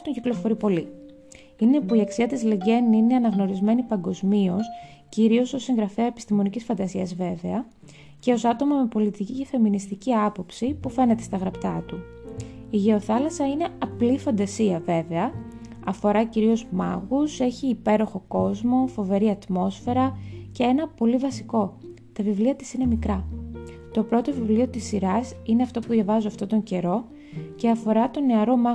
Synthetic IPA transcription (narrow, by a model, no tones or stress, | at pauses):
t̪oɲɟiklo̞fo̞ɾipo̞li | ine̞puiɐksiɐt̪izleɟe̞nine̞ɐnɐɣno̞ɾizme̞nipɐŋɡo̞zmio̞s | ciɾio̞so̞siŋɡɾɐfeɐepi̥st̪imo̞nicisfɐnd̪ɐsiɐzve̞ve̞ɐ | ce̞o̞sɐt̪o̞mɐme̞po̞lit̪icice̞fe̞minist̪iciɐpo̞psipufe̞ne̞t̪e̞st̪ɐɣɾɐpt̪ɐt̪u | iʝe̞o̞θɐlɐsɐine̞ɐplifɐnd̪ɐsiɐve̞ve̞ɐ | ɐfo̞ɾɐciɾio̞zmɐɣuse̞çiːpe̞ɾo̞xo̞ko̞zmo̞fo̞ve̞ɾiɐt̪mo̞sfe̞ɾɐce̞e̞nɐpo̞livɐsiko̞ | t̪ɐvivliɐt̪i̥sine̞mikɾɐt̪o̞pɾo̞t̪o̞vivlio̞t̪isːiɾɐsine̞ɐft̪o̞puðjɐvɐzoɐft̪o̞t̪o̞ɲce̞ɾo̞ | ce̞ɐfo̞ɾɐt̪o̞ne̞ɐɾo̞mɐ